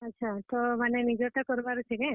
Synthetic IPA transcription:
ətːʃʰat̪omanenid͡ʒoʈ̪akɔɾbaɾt͡ʃʰeke

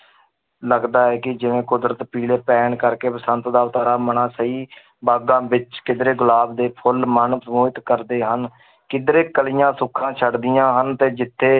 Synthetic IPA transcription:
ləɡd̪aːɛːkɪd͡ʒɪʋẽːkʊd̪ɾət̪piːleːpɛːɳkəɾkeːpəsənt̪d̪aːt̪aːɾaːmənãːsəiː | baːɡãːbɪt͡ʃkɪd̪ɾeːɡʊlaːbd̪eːpʰʊlmənsəmuːɪt̪kəɾd̪eːɦən | kɪd̪ɾeːkəlɪjãːsʊkʰːãːt͡ʃʰəɖd̪ɪjãːɦənt̪eːd͡ʒɪt̪ʰːeː

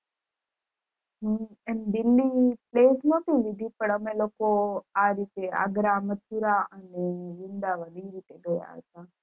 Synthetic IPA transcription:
ɦəənd̪ɪlːipleːsnõt̪iʋid̪ʱipəɳəmelokoaɾit̪ea̰ɡɾamət̪ʰuɾaəneʋɪnd̪aʋəd̪iɾit̪eɡəja̰ɦə̰t̪a

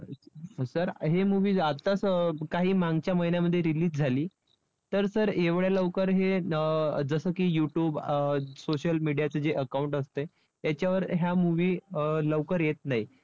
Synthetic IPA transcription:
səɾɦemuʋiːat̪ːaskaɦiːmaŋɡt͡ɕjaməɦinjaməd̪ʱːjeɾiliːsd͡zʱaliː | t̪əɾsəɾeʋɭjaləʋkəɾɦe | d͡zəsəːkiːjuʈjuːbsoɕəlmiɽijat͡səd͡ʑeʔəkauɳʈəst̪e | t̪jat͡ɕjaʋəɾɦjamuʋiːləʋkəɾjet̪naɦi

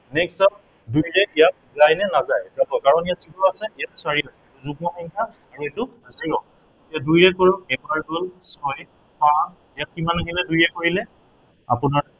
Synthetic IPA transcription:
nɛksap̚ | dujɹɛijak̚zajnɛnazajzabɔkaɹɔnijatsipɹɔasɛijat̚saɹiasɛːtuzubɔxɔŋkʰa | aɹuɛtʊasijɔ | tijadujɹɛkoɹɔɛbaɹɡɔlsɔj | pãsijat̚kimanaɡilɛdujɹɛkoɹilɛ | a̰pʊnaɹ

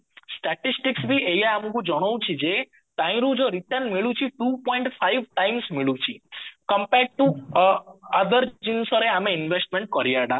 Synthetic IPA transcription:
sʈɛʈisʈiksbʱiʔejaamũkũd͡ʒɔɽ̃ow̃t͡ʃʰid͡ʒe | t̪ãĩɾũd͡ʒoɾiʈəɾnmiɭũt͡ʃʰiʈupɔiɳʈfʰaiʋʈaimsmiɭũt͡ʃʰikəmpeɖ̚ʈu | əd̪əɾt͡ʃinsɔɾeameɪnʋesʈmẽɳʈ̚kɔɾijaɽã

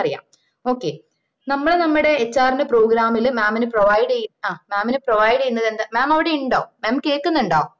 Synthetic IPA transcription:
ɐrija̰ːm | o̞ːkːe | nɐmːɐɭenɐmːiɽe̞ːt͡ɕːaːrinɨpro̞ːɡɾaːmilmaːminɨproʋɐjɽɐjaːmaːminɨproʋɐjɖɐjːunːɐðend̪amaːmɐʋiɽeiɳɖaːʋummeːmkːeːkːunːuɳɖaːum

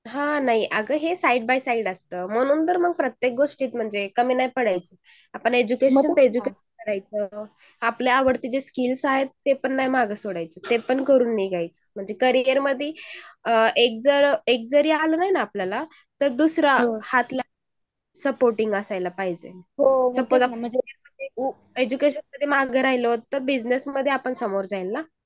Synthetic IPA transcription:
ɦãnaɦiʔəɡəɦesaiɖ̚bajsaiːɽəst̪əːm̤əɽ̃ũːnt̪əɾməɡ̚pɾət̪jek̚ɡoʂʈiːt̪m̤əɳd͡zekəmiːnajpəɽajt͡se | apəɳed͡ʑukeɕənt̪əed͡ʑukeɕənkəɾajt͡səː | apljaaʋəɽt̪iːd͡ʑeskilsaɦet̪ːepəɳːajmaɡəsoɽajt͡sət̪epəɳkəɾuːnːiɡʱajt͡sə̥m̤əɳd͡zekəɾijəɾməd̪ʱːi | ek̚d͡zəɾek̚d͡zəɾialənaɦinaːpljala | t̪əɾd̪usɾahat̪la | səpoɾʈiŋɡəsajlapaɦid͡ʑḛɦosəposaəɾməd̪ʱjeu | ed͡ʑukeɕənməd̪ʱjemaɡəɾajlot̪əɾbid͡znesməd̪ʱːjeapəɳsəmoɾd͡zajlːa

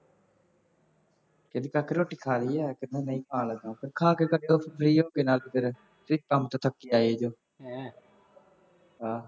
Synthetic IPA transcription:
kɪnikaːkeɾoːʈiːkʰaːɾiːɛːkɪd̪ẽːnəĩːkʰãːləɡãːpʰɪɾkʰaːkekəɖeoːpʰəpʰɾiːɦoːkeːnaːlɪpʰɪɾ | t̪ɾɪkəmt̪aːt̪ʰəkːiːaːieːd͡ʒoː | ɦaː

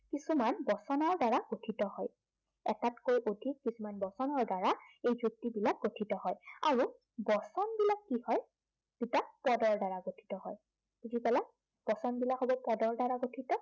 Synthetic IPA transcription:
kisumanbɔsɔnɔɹdaɹaɡ̥otʰitɔhɔj | ɛ̰tatkojʔodʱikːisumanbɔsɔnɔɹdaɹaejzuk̚tibilak̚ɡotʰitɔɦɔja̰ɹu | bɔsɔnbilakːihɔj | b̥itapɔdɔɹdaɹaɡotʰi̥tɔɦɔj | kudipɛlak̚ | b̥ɔsɔnbilakɦɔbɔpɔdɔɹdaɹaɡotʰitɔ

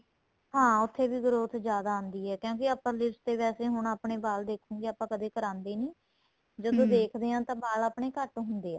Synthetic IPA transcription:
ɦãːʊt̪ʰːeːʋiːɡɾoːt̪ʰd͡ʒjaːd̪aːʊ̃nd̪iːɦɛːkjõːkɪəpəɾlɪst̪eːʋɛːseːɦʊɳaːpɳeːbaːld̪eːkʰũːɡeːəpãːkəd̪eːkəɾãːnd̪eːnĩː | d͡ʒəd̪õːd̪eːkʰd̪eːãːt̪ãːbaːlaːpɳeːkəʈːɦʊnd̪eːãː

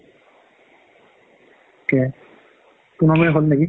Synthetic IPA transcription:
kɛ | kunɔmɛɦolnaki

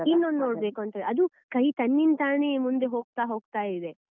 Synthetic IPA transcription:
inːoːnnoːɽbeːkuɐnt̪ɐd̪eɐd̪u | kɐjt̪ɐnːint̪aːneːmund̪eɦoːɡ̚t̪aːɦo̞ːɡ̚t̪aːjid̪e̞

